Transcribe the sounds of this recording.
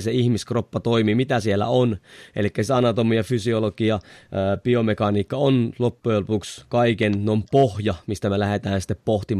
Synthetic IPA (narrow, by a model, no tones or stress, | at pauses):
seihmiskropːɑt̪oimiːmit̪æsielːæ̰onʔḛlikːæsit̪ɑnɑt̪omiɑfysiolokiɑːpiomekɑniːkːɑonlopːujelpukskɑikennompohjɑmist̪æmelæhet̪æːnsi̥t̪ːeppoht̪im